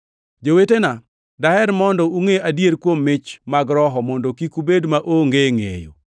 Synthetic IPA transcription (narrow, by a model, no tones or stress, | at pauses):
d͡ʒowetena | dahɛɾmɔndɔuŋeadjeɾkwomːɪt͡ʃmaɡɾɔɦɔmɔndokikubedmaʔoŋɡeŋḛjo̰